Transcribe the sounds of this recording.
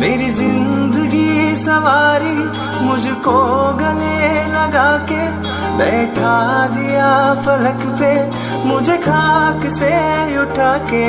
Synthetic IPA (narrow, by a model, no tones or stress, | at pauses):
meːɾizɪ̃nd̪əɡisɐʋaːɾi | mʊd͡ʒʱkoɡɐlelɐɡaːke | bɛːʈʰad̪ɪjafɐləkpe | mʊ̃d͡ʒʱekʰaːkseʊʈʰaːkeː